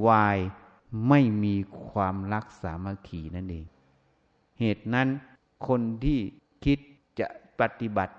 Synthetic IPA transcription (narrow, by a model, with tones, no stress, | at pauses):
waː˧j | ma˥˩jmiː˧kʰwaː˧mla˧˦˥k̚saː˨˩˦maː˧˩kʰiː˨˦na˥˩˨nʔeː˧ŋ | heː˨˩t̪̚na˦˥˨n | kʰo˧˥nt̪ʰiː˥˩ | kʰi˦˥t̪̚ | t͡ɕa̰˧ʔpa˧t̪i˧˦ba˨˦t̪̚